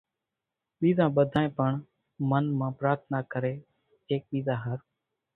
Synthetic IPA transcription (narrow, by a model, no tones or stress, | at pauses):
ɓiːzãːɓəd̪ʱaːẽːpəɳ | mənmãːpɾaːɾt̪ʰnaːkəɾeː | eːk̚ɓiːzãːɦəɾ